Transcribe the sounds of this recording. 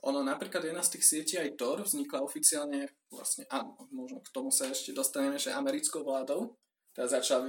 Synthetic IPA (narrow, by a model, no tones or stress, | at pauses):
ʔɔ̰nɔnapɾiːklad̪jɛd̪nast̪iːxsɪɛciːajt̪ɔɾvzɲiklaɔfit͡siaːlɲɛ | ʋla̰sɲɛʔaːnɔmɔʒnɔkt̪ɔmusaɛʃcɛd̪ɔst̪aɲɛmɛʒɛʔamɛɾit͡skɔʊʋlaːd̪ɔʊ | t̪ɛd̪azat͡ʃla